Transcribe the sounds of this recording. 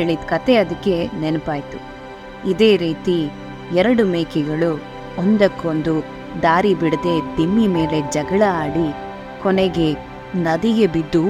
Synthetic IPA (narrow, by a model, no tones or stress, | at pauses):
eɭid̪kɐt̪e̞ɐd̪ɐkːe̞nɛnɐpaːjt̪u | id̪e̞ːɾiːt̪i | ɛɾɐɽumeːkɛɡɐɭu | ond̪ɐkːond̪u | d̪aːɾibiɽd̪e̞d̪imːime̞ːle̞d͡ʒɐɡɐɭɐaːɽi | kɔneɡe̞ | nɐd̪iɡebid̪ːu